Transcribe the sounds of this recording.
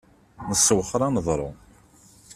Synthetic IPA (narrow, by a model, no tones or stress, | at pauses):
nəsːəwəχɾˤɑnəðˤɾˤo̰